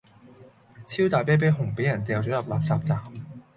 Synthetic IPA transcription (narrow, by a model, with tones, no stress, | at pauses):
t͡sʰi˥wt̪aː˨jpɛː˥p̬eː˥ɦʊ˨˩ŋpe˨˥jɐ˨˩nt̪ɛː˨˧wt͡ɕɔː˨˥jɐ˨p̚laː˨p̚t͡saː˨˩p̚t͡saː˨˧˩